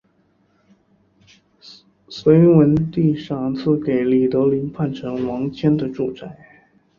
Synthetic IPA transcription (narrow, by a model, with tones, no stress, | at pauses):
swe˧˥ɪwə˧˥nt̪i˥˧ʂɑ˥˧ŋt͡sʰɹ̩˥˩ke˨˩ɪli˨˩t̪ɤ˧˥li˧˥npʰa˥˩nʈ͡ʂʰɤ˧˥ŋwɑ˧˥ŋt͡ɕʰjɛ˥nd̪ə˨ʈ͡ʂu˨˩t͡sa˥˩ɪ